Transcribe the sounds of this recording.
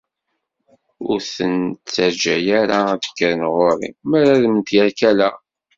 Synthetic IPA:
ʊɾθənt͡sːəɾd͡ʒæjaɾaðə̥kːəɾənʁoɾˤḭmməɾaðmənt̪jæɾkælæ

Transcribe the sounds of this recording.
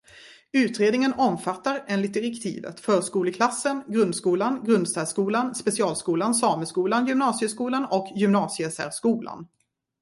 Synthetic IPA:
ʉ̟ːt̪ɾeːd̪nɪŋənɔmfat̪ːaɾeːnlɪt̪̚d̪ɪɾɛkt̪ʰḭːvə̰t̪fœːɾʂkuːləkʰlasːənɡɾɵnd̪skuːlanɡɾɵnd̪st̪æːskuːlanspɛsɪɑːlskuːlansɑːməskuːlanjʏmnɑːsɪəskuːlanɔkʰjʏmnɑːsɪəsæ̰ɾʂkuːla̰n

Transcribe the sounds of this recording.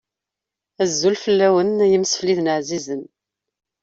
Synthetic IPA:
æzːulfəlːæwənjəmsə̥fliðnəʕzizən

